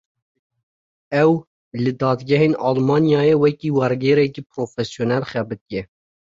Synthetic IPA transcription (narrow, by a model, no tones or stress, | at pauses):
ɛw | lɨd̪ɑːd̪ɡʲɛɦeːnɑːlmɑːnjɑːjeːwɛkiːwɛɾɡeːɾɛkiːpʰɾoːfɛsjonɛlχɛbɨk̪ɛ